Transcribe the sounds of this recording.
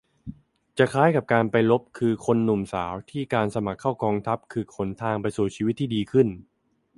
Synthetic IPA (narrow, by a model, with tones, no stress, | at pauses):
t͡ɕa˨˩kʰaː˦˥jka˨˩p̚kaː˧npa˧jlo˦˥p̚kʰɯː˧kʰo˧nːu˨˩msaː˩˦wt̪ʰiː˥˩kaː˧nsa˧ma˨˩kʰːaː˥˩wkɔː˧ŋt̪ʰa˦˥p̚kʰɯː˧kʰo˩˦nt̪ʰaː˧ŋpa˧jsuː˨˩t͡ɕʰiː˧wi˦˥t̪ʰːiː˥˩diː˧kʰɯ˥˩n